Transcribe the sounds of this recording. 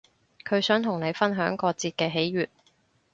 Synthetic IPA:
kʰɵ˨˧ɥsœː˨˥ŋt̪ʰʊ˨˩ŋne˨˧jfɐ˥nɦœː˨˥ŋkɔː˧t͡siː˧t̚kɛː˧ɦe˨˥jɥyː˨t̚

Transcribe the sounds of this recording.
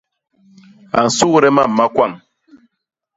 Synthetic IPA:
a˨n̩˨su˦ɾɛ˦ma˦˨m̩˨ma˦kwa˦˨ŋ

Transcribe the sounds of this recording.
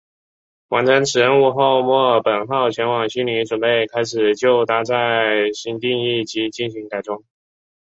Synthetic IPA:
wa˧˥nʈ͡ʂʰə˧˥nʈ͡ʂʰɻ̩˨˩ɻə˧˥nu˥˧xo˥˧ʊmwɔ˥˩pə˨˩nxɑ˥˩ʊt͡ɕʰɥɛ˧˥nwɑ˨˩ŋɕy˥ni˧˥ʈ͡ʂwə˨˩npe˥˩ɪkʰa˥ɪʂɻ̩˨˩t͡ɕjo˥˩ʊt̪a˧˥t͡sa˥˩ɪɕi˧˥nt̪i˥˧ŋi˥˩t͡ɕi˧˥t͡ɕi˥˩nɕi˧˥ŋk̪a˨˩ɪʈ͡ʂʊ˥ŋ

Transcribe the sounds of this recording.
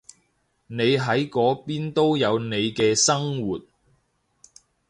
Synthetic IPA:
ne˨˧jɦɐ˨˥jkɔː˨˧˥piː˥nt̪o˥wjɐ˨˧wne˨˧jkɛː˧sɐ˥ŋwuː˨t̚

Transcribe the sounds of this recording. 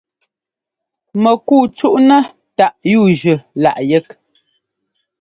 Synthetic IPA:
mə˨kuː˦˨t͡ʃu˦ʔnə˦ | ta˦˨ʔjuː˦˨ʒʉ˨la̰˨ʔjɛ˦k

